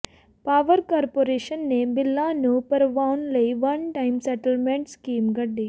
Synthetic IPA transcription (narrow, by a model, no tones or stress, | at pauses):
paːʋɐɾkaːɾpoːɾeːʃɐnːebilːaːnupɐɾʋawnlejʋɐnʈɐjmsɛʈɐlmeɳʈskiːmɡɐɖːi